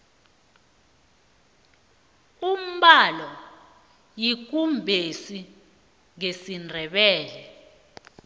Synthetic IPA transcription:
um̩ɓalɔ | jik̬umbʱesi | ŋesindʱɛɓɛːlɛ

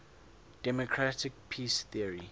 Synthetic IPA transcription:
d̥ɛmokʰɹatɪk̚pʰisθiəɹi

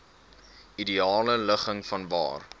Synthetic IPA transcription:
idiɑːlələχəŋfɐnvɑ̰ːr

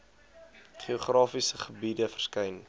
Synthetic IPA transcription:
χioχrɑːfisəχəbidəfərskɛjn

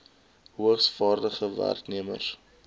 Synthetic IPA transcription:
ɦuəχsfɑːrdəχəvæ̰rkniəmə̰r

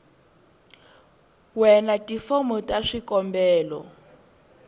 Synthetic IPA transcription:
wɛnatifomɔtʼaʂikɔmbɛːlɔ̰

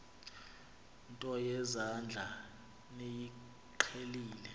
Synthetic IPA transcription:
ntʼɔjɛzand͡ɮʱa | neji | ǃʰeliːlɛ

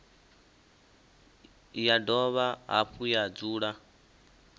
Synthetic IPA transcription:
jadɔβaɦa̰ɸʰujad͡zuːɺa

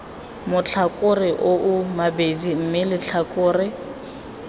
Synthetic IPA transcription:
mʊt͡ɬʰakʼʊrɪʔoʔʊmabedim̩mɪlɪt͡ɬʰakʼʊːrɪ

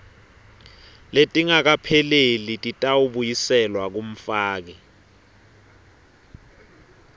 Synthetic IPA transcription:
letʼiŋak̬apʰɛlelitʼitʼawuɓujisɛlwak̬um̩faːk̬ɛ

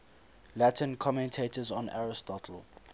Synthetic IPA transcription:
latʰə̃nkʰɔmɛ̃ntʰetəzɔ̃na̰ɹɪstɔtʰəl

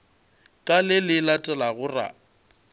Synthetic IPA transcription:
kʼalɪlɪlatʼɛlaɣʊra̰

